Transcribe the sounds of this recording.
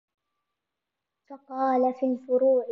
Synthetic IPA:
fɑqɑːlafiːlfʊɾuːʕ

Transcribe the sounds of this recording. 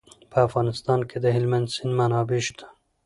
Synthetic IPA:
pʰæfɣɑːnɨst̪ɑːnkʰed̪eɦilmɛnd̪sinmanɑːbiʃt̪

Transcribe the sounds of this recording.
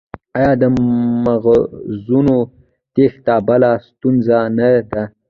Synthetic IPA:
ajɑd̪əmaɣzuno | t̪ext̪ɑbalast̪unzanad̪a

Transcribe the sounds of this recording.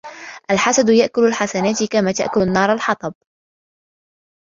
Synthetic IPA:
ʔalħasad̪jaʔkʊlalħasanaːt̪ɪkamaːt̪a̰ʔkʊlanːɑːɾˤalħɑt̪ˤɑb̚

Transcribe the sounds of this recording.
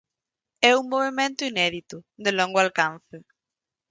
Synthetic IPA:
ɛuŋmoβ̞emẽnt̪ʊinɛðit̪ʊðɪlɔŋɡoalkanθɪ

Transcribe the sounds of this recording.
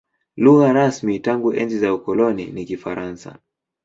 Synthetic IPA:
luɣaɾasmitaŋɡuʔɛnd͡ʒizaukɔlɔnḭnikifaɾansa̰

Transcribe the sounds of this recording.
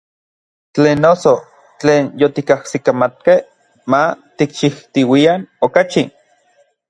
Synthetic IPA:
t͡ɬeːnːoso | t͡ɬeːnjot̪ikahsikamat̪̚keh | mat̪ikʃiht̪iwianokat͡ʃi

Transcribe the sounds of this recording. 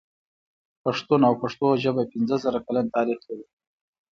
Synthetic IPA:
paʂt̪unawpaʂt̪oʒəbapɪnzəzəɾakalant̪ɑɾixlawi

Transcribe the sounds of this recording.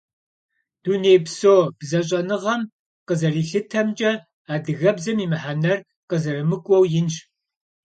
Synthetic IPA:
d̥uneːbsoːb̥zɐɕ̬ʼɐnɨʁɐm | qəzɐriːɬɨtʰɐmt͡ʃʼɐ | aːdɨɣɐbzɐmiːmɨħanɐr | qəzɐrɨmɨkʷʼɔwjɪnɕ

